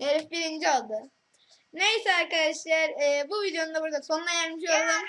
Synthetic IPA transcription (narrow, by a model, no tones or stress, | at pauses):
eɾifbiɾind͡ʒio̞lˠd̪ɯ | ne̞jsɛaɾkad̪aʃlˠaɾɯːbuvid̪ejonund̪abuɾad̪aso̞nlˠajæɾmiʃolˠum